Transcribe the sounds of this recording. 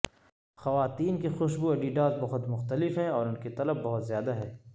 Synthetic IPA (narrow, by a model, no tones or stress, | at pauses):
xɐʋaːt̪iːnkexʊʃbuɐɖiːɖaːzbɐɦʊt̪mʊxt̪əlɪfɦɛ̃ɔːɾʊnket̪ɐləbːɐɦʊt̪zjaːd̪aɦɛː